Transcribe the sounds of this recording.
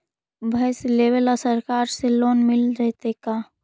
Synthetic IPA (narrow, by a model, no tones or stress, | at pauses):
bʱɐːsleːʋəlɔsəɾkaːɾseloːnmɪlɾɛɦt̪ekaː